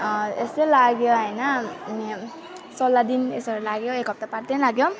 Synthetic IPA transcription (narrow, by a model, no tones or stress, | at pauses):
eselaɡjoɦʌjnʌni | sʌlːad̪inesʌɾulaɡjoekɦʌp̚t̪apard̪enlaɡjo